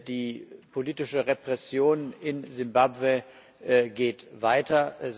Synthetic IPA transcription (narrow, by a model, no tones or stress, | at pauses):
diːpʰoliːtɪʃəʁepʁ̥ɛsjoːnɪnzɪmbabve | ɡeːtvaɪtʰɐ